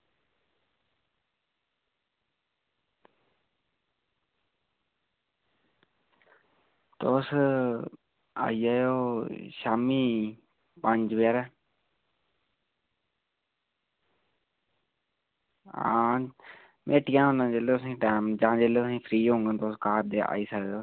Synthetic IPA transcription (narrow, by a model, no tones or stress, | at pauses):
t̪oːs | a̰iaːjoːʃaːmiː | pə̃ɲd͡ʒʋeːɾɛ | ãː | mʔeːʈiãːʊnə̃nd͡ʒeːlosãĩːʈaːmd͡ʒãːd͡ʒeːleːsĩːfʰɾiːõːŋɡənt̪oːskaːɾd̪ea̰ːiːsəɡ̪oː